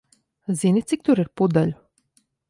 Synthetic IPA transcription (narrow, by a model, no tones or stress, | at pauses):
zinʲit̪sik̚t̪uɾiɾpud̪aʎʲʊ